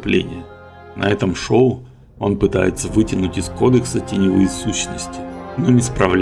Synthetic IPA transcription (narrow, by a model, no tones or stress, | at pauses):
ʊplʲḛnʲɪjə | nʔɐ̰ɛt̪əmʂo̞ʊ | o̞npɨt̪a̰jɪ̰t̪səvɨtʲɪnʊtʲɪsko̞d̪ɨksətʲɪnʲɪvɨsuɕːnəsʲtʲɪ̥nonʲɪspɾɐvlʲ